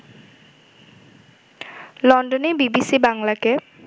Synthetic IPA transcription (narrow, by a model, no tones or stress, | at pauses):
lɔɳɖonebibisibaŋlake